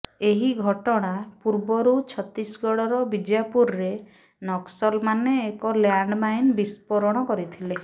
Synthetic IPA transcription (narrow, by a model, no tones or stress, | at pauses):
eɦiɡʱɔʈɔɽ̃apuɾbɔɾut͡ʃʰɔt̪ɾisɡɔɽɔɾɔbid͡ʒjapuɾːe | nɔksɔlmaneːkɔljaɳɖmajnbispɔɾɔɽ̃ɔkɔɾit̪ʰile